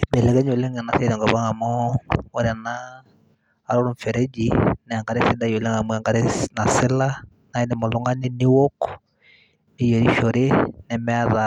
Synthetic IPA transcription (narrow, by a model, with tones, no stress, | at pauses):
bɛ˨lɛ˨ɡɛ˦ɲo˨le˦ŋɛ˨na˨˦se˦ɾɛ˨ŋɡɔ˨βa˦ŋa˨mɔ˦o˦ɾa˨naː˦˨ | ɾɔ˦ɾu˦ɱfɛ˨ɾɛ˦d͡ʒi˨nɛ˨a˨ŋɡa˨ɾe˦sɪ˦da˦jo˨le˦ŋa˨mwɛ˨ŋɡa˨ɾe˦na˨sɪ˦la˦ | na˨i˦nɛ˨mɔ˨lʊ˦ŋa˦ni˦ni˦wo˦k | ni˦je˨ɾi˦ʃo˨ɾe˦nɛ˨mɛ˦a˦ða˨